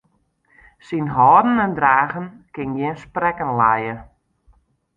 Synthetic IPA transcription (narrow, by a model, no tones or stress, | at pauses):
sinɦɔːdən̩ɛndraːɣənkɪŋjɪənsprɛkənlajə